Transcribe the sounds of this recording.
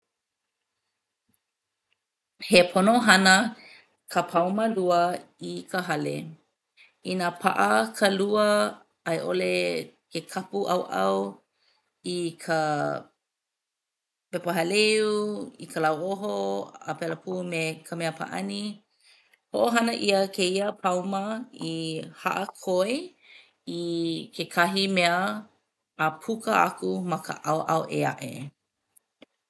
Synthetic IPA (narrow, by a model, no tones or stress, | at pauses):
hepʰonoɦɐnə | kʰəpʰawməluəikʰəɦɐlḛ | inapʰa̰ʔɐkʰəluə | ɐjʔolekekʰapuʔɐ̰wʔɐ̰w | ikʰə | pepəɦaleuikʰəlawoɦoə̰pɛləpʰuːmekʰəmeəpʰa̰ʔɐ̰ni | hoʔoɦɐnəʔiəkʰeiəpʰɐwməiha̰ʔəkʰoe | ikekʰɐɦimeəː | pʰukəa̰kumɐkə̰ʔɐwʔɐwʔea̰ʔḛ